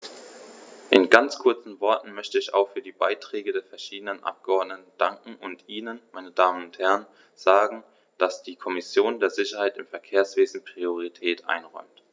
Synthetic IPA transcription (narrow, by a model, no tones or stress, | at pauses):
ʔɪnɡant͡skʰʊɐt͡sn̩vɔɐtn̩mœçtəɪça̰ʊxfyːɐdiːbaɪtʁ̥ɛːɡədeːɐfɛɐʃiːdənənʔa̰p̚ɡ̥əɔɐdnətn̩d̥aŋkŋ̩ʊntʔiːnənmaɪnədaːmənʊnthɛɐən | z̥aːɡŋ̩ | d̥asd̥iːkʰɔmɪsjoːndeːɐzɪçɐhaɪtɪmfɛɐkʰeːɐsv̥eːzn̩pʁ̥ioʁitʰɛːtʔa̰ɪnʁɔ̰ʏmt